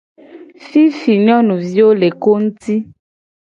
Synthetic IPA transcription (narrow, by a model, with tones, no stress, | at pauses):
fi˦fi˨ɲ˦ɔ̃˦nũ˨vi˦wo˦le˨ko˦ŋũ˦t̪i˦